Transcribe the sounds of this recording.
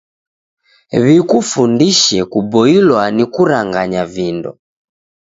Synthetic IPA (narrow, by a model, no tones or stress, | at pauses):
βikufundiʃɛkubɔilwanikuɾaŋɡaɲavindɔ̰